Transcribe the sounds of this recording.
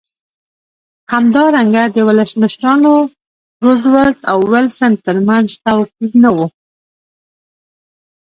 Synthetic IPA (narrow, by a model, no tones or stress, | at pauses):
hamd̪ɑɾaŋɡad̪əwʊləsməʃɾɑno | ɾʊzwat̪awːɪlsənt̪əɾmanzt̪awqiɡ̪nawu